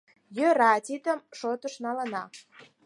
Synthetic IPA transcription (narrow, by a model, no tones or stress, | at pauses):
jøɾɑt̪ʲit̪əmʃot̪əʃnɑlənɑ